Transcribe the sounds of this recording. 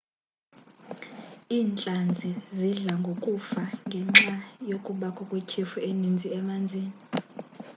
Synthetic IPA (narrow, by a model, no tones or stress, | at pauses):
iːnt͡ɬʼand͡zʱiziɮaŋɡʱokʼufaŋɡʱɛŋ͡ǁajokʼuɓakʰʼɔkʼwekʰifuenind͡zʱiɛmand͡zʱiːni